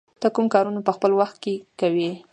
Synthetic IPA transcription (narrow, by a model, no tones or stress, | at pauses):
d̪̥akumkɑɾunapəxpəlwaxt̪̚kekawi